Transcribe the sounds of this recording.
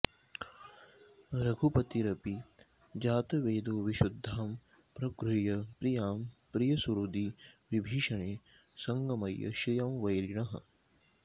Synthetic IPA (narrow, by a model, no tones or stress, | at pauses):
ɾɐɡʱupɐt̪iɾɐpi | d͡ʒaːt̪ɐʋeːd̪oːʋiʃud̪ʱːaːm | pɾɐkɾujɐpɾijaːmpɾijɐsuɾud̪iʋibʱiːʃɐɳeː | sɐŋɡɐmɐjɐ̰ʃijɐmʋɐjɾiɳɐɦɐ̰̆